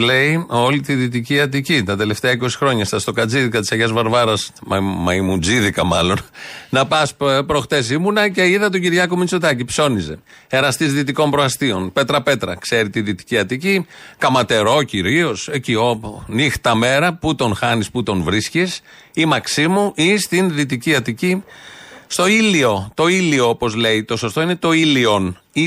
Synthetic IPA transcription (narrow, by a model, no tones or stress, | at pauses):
le̞io̞lit̪iðit̪iciɐt̪̬icit̪ɐt̪e̞le̞ft̪eɐiko̞si̥xɾo̞ɲɐst̪ɐst̪o̞kɐd͡ziðikɐt̪i̥sɐʝɐzvɐɾvɐɾɐsmɐmɐimud͡ziðikɐmɐlo̞nnɐpɐspɾo̞xt̪e̞s̬imunɐce̞iðɐt̪o̞ɟiɾʝɐkomit͡sot̪ɐcipso̞nize̞̰ | eɾɐst̪izðit̪̬iko̞mpɾoɐst̪io̞npe̞t̪ɾɐpe̞t̪ɾɐ̰kse̞ɾit̪iðit̪i̥ciɐt̪icikɐmɐt̪e̞ɾo̞ciɾio̞secionixt̪ɐme̞ɾɐput̪o̞nxɐnisput̪o̞nvɾiscis | imɐksimuʔist̪inðit̪iciɐt̪ici | st̪o̞ilio̞t̪o̞ilio̞opo̞zle̞it̪o̞so̞st̪o̞inet̪o̞ilio̞n | i